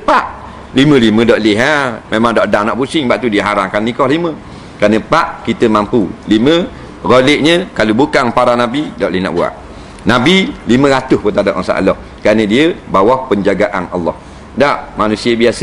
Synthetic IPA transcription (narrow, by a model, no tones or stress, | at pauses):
əpaʔ | limə̃limə̃dɔʔlɪɦamemaŋdaʔdahnaʔpusɪŋbaʔt̪udiəɦaɾaŋkannikɔhlimə | kɾanəpaʔkit̪əmampulimə | roleʔɲəkalubukaŋpaɾanabidɔʔlɪhna̰ʔbua̰ʔ | nabilimə̃ɾat̪ʊspət̪adaʔmasa̰ʔa̰lɔh | kɾanədiəbawahpəɲd͡ʒaɡaʔanʔalːɔ̰h | daʔmanusiəbiasə